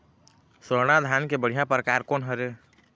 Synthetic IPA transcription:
səɾɽ̃ad̪ʱjaːnkebəɽ̤ijãpɾəkaːɾkoːnɦəɾe

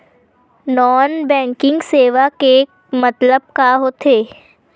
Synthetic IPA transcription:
nɔːnbɛ̃ːŋkɪ̃ŋɡseːʋake | mət̪ləb̚kaɦoːt̪ʰeː

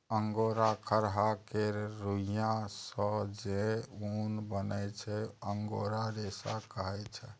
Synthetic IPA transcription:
əŋɡoɾakʰəɾɦakeɾɾujãsə̃d͡ʒeunbənɛt͡ʃʰɛəŋɡoɾaɾesakəɦɛt͡ʃʰɛ

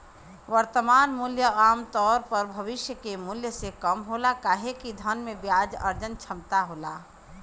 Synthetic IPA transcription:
ʋəɾt̪əmaːnmuljəaːmt̪ɔːɾpəɾbʱɐʋɪʃjəkemuljəsekɐmɦoːlakaːɦekid̪ʱənmẽbjaːd͡ʒɐ̰ɾd͡ʒənt͡ʃʰɐmt̪aɦoːlaː

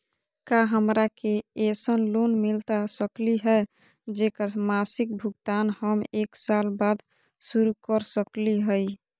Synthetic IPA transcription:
kaɦəmɾakeesənlonmilt̪asəkliɦɛ | d͡ʒekəɾmasik̚bʱuɡt̪anhəmeksalbad̪ | suɾukəɾsəkliɦəj

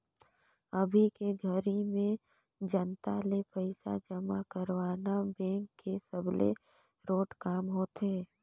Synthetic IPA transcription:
ɐbʱikeɡʱəɾimẽ | d͡ʒənt̪alepəɪsa̰d͡ʒəmakəɾwaːnabɛ̃ːŋkːesəblḛ | ɾoːʈkaːmɦoːt̪eː

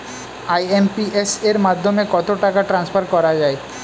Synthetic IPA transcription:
ajempieseɾmad̪ʱːomekɔt̪oʈakaʈɾansfʰaɾkɔɾad͡ʑae

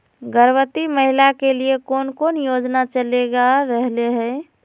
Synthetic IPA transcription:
ɡəɾwət̪iməɦilakeliekoːnkonjod͡ʒnat͡ʃəleɡaɾəɦleɦɛ

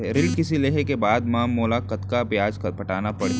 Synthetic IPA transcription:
ɾɪlkɪsileːɦekebaːd̪maːmːoːlakɐt̪kabjaːd͡ʒkpɐʈaːnapɐɽ̤e

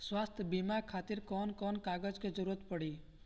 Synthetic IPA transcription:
swast̪ʰbimakʰat̪iɾkɔnkɔnkaɡəd͡ʒked͡ʒəɾuət̪pəɽi

